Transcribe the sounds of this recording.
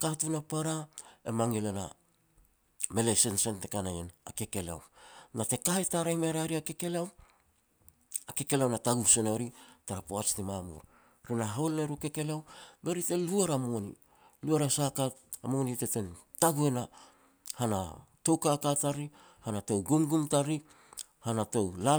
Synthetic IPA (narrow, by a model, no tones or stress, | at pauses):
katunapaɾaemaŋilena̰ | me̞lesensente̞kanajenake̞ke̞la̰wnate̞kaetaɾajmeɾaɾiake̞ke̞leaw | ake̞ke̞leawnataɡusenooɾitaɾapoat͡ʃtimamṵɾ | ɾinaɦolneɾuke̞ke̞leawbe̞ɾite̞luaɾamonḭ | luaɾasakatamonite̞te̞n | taɡue̞na | hana̰to̞wkakataɾi | hanato̞wɡumɡumtaɾi | hanato̞wla